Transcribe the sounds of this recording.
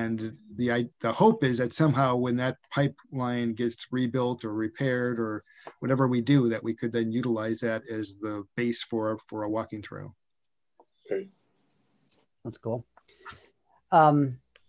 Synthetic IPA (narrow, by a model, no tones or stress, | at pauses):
ɨ̃nðiaɪðəhoʊpɪzðɨtsʌ̃mɦaʊwɨ̃nðɨt̚pʰaɪplãɪ̃nɡɛtsɹibɪlˠtə˞ɹipʰɛɹɾə˞ | wʌɾɛvə˞widɨðɨʔ̚wikʰɨd̪̚ðɨ̃njʉɾəlaɪzðɨɾɨzðəb̥eɪsfɔ˞fə˞əwɔkɪ̃ŋθɹʉ̰ | okʰeɪ | ætskʰulˠ | ʌm